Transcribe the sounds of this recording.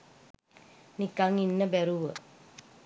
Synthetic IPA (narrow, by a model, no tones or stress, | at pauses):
nikaŋinːəbæɾuʋə